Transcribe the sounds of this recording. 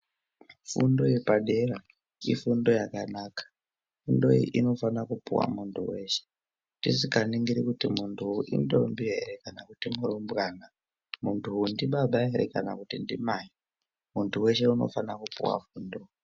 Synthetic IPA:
fṵndo̞jepaɗe̞ra | ifundo̞jakanaːkḁ | fundo̞ḭʔino̞fanakupuwa̰muntʰuwe̞ʃe̥ | tisikaniŋɡiɾikutimuntʰuuʔḭndombiɦeɾe̞kanakutimuɾombɣaːna | muntʰuundiɓaɓaɦeɾḛkana̰kutindimai | muntʰuwe̞ʃe̞uno̞̰fanakupṵwa̰fuːndo̞

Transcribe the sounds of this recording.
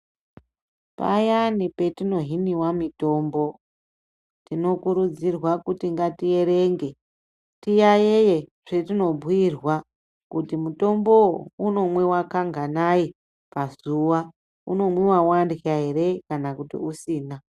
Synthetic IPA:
pa̰janipe̞tino̞ɦiniwamito̞ːmbo̞ | tino̞kuɾud͡zirwakutiŋɡatije̞ɾe̞ŋɡe̞ | tijajejeʐ̥etino̞bʱwirwa | kutimuto̞mbo̞uno̞mwe̞wakaŋɡanai | pazuwa | uno̞mwe̞wawandaɦere̞kanakutḭusiːna

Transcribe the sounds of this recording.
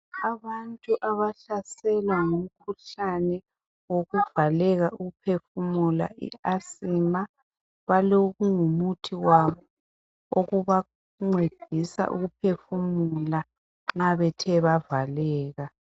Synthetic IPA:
aβantʼuʔaβaɬasɛlwaŋum̩kʰuɬanɛ | woɣuvalɛɣaʔuɣupʰefumula̰ḭasima | βaloɣuŋumutʰiwaβɔ | oɣuβa | ŋ͡ǀed̥ʱisa̰ʔṵɣupʰefumula | ŋ͡ǁŋ͡ǁaβɛtʰɛβavalɛːɣa

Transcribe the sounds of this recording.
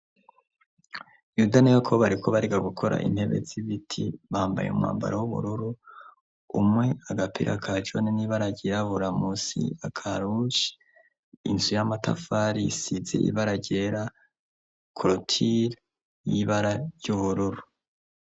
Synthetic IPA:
judanijokʰoβaɾikʰo̞βaɾiɡaɡukʰo̞ɾa̰ʔḭnhe̞βe̞̰ziβitʰiβahaːmba̰jeṵmŋa̰ːmba̰ɾawuβṵɾuɾu | umŋe̞aɡapʰḭɾʔa̰kʰad͡ʒoniniβaɾaɟeɾaβuɾamusḭakʰaɾut͡ʃi̥ | inzujamata̰faɾisizḛʔḭβaɾaɟeɾa | kʰoɾotʰiɾ | jiβaɾajuβuɾuɾu

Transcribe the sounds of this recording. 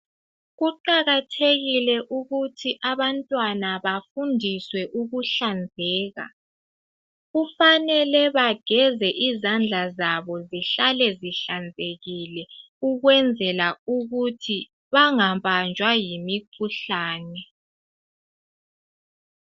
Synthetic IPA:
ɣuǃaɣatʰeɣilɛʔuɣutʰiʔaβantʼwanaβafundʱiswɛʔuɣuɬand͡zʱɛːɣa̰ | ɣufanɛlɛβaɡ̥ʱɛzɛʔizand͡ɮʱazaβɔziɬalɛziɬand͡zʱeɣilɛ | uɣwɛnd͡zʱɛlauɣutʰi | βaŋaβand͡ʒʱwajimikʰuɬaːnɛ

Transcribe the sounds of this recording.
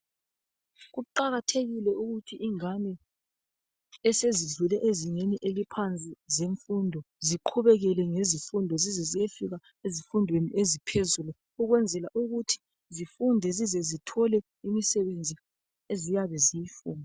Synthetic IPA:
ɣuǃaɣatʰeɣilɛuɣutʰiʔiŋanɛ | ɛseziɮulɛʔeziŋeniʔelipʰant͡sʼizeɱfundʱɔ | ziǃʰuβɛɣɛlɛŋezifundʱɔzizɛziefiɣa | ezifundʱweniʔezipʰezulu | uɣwɛnd͡zʱɛlaʔuɣutʰi̥ | zifundʱɛzizɛzitʰɔlɛ | imisɛβend͡zʱi | ezijaβɛzijifuːnʱa

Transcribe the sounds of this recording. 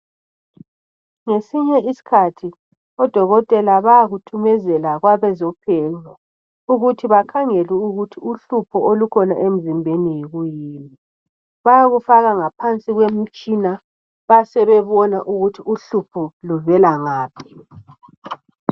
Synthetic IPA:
ŋesiɲɛisi̥kʰatʰi | ɔd̥ʱɔɣɔtʼɛlaβajaɣutʰumɛzɛlaɣwaβɛzɔpʰɛŋa | uɣutʰiβakʰaŋeliuɣutʰiuɬupʰɔolukʰɔna̰ʔem̩zimbʱenijiɣujiːmi | βajaɣufaɣaŋapʰant͡sʼiɣwem̩t͡ʃʼina | βasɛβɛβɔnaʔuɣutʰiuɬupʰɔluvɛlaŋaːpʰi̥

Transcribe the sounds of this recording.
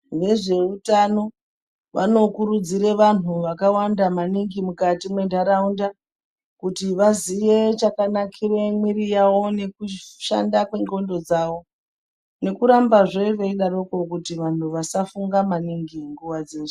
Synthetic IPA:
ne̞ʐe̞utano̞ | ʋa̰no̞kuɾud͡ziɾeʋan̤uʋakawandamaniŋɡimukatimwe̞ndʱaɾaunda | kutiʋaziʋe̞t͡ʃakanakʰiremwiɾijawo̞ne̞kuʃa̰ndakweŋɡo̞ndo̞d͡zaːwo̞ | ne̞kuɾambaʐeʋeiɗaɾoko̞kutiʋan̤uʋasafuŋɡamaniŋɡiŋɡuʋad͡zeːʐo

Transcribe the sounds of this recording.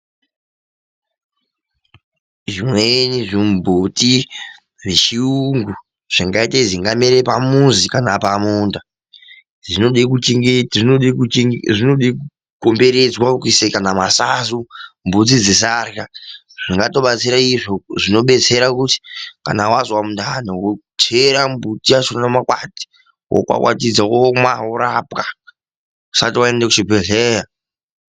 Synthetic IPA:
ʐimweniʐimbʱuti | ʐit͡ʃiuŋɡu | ʐ̥iŋɡaiteziŋɡameɾepamunzikanapamuːnda | ʐioeku | ʐiiku | kombe̞ɾed͡zwakisekanamasazumbud͡zid͡zis̬arka | ʐ̥iŋɡato̞ɓat͡siɾaiʐoʐino̞ɓe̞t͡se̞ɾakuti̥ka̰nawazwamundʱanewo | t͡ʃeɾambutiat͡ʃonnamakwati̥ | wo̰kwa̰kwa̰tid͡zawomwaoɾapkḁ | asatiwaendak̬ut͡ʃibʱeɮeːja

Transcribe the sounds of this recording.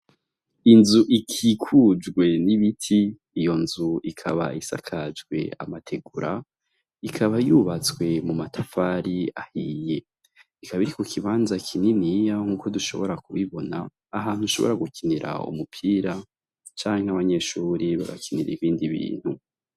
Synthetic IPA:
inzuʔikʰikʰud͡ʒɡwe̞niβitʰiː | jo̞nzuikʰaβa̰isa̰kʰad͡ʒɡwe̞̰a̰matʰe̞ɡuɾa | ikʰaβajuβat͡skwe̞mumatʰafaɾiahije̞ | ikaβaiɾiko̞kʰiβaːnzakʰininijaŋ̥uːko̞duʃo̞̰βo̞ɾakuβiβo̞naː | ɦaːn̥huʃo̞βo̞̰ɾaɡukʰiniɾa̰ṵmupʰiːɾa | t͡ʃaːŋ̥heaβaɲe̞ʃuːɾiβa̰ɡa̰kʰiniɾḭβiːndiβḭːn̥hu

